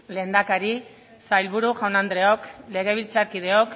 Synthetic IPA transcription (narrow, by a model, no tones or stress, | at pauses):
le̞ːnd̪akaɾi | sajlβuɾuʝawnand̪ɾe̞o̞kle̞ɣ̞e̞β̞ilt͡saɾkið̞e̞ok